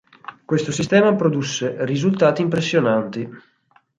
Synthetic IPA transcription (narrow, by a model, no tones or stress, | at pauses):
kwest̪osist̪ɛːmapɾod̪usːerizult̪aːt̪iːmpɾesːjonant̪i